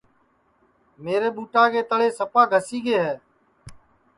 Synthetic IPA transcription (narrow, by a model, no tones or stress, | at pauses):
meːɾeːɓuːʈaːkeːt̪əɽeːsəpaːɡʱəsiːɡeːɦɛː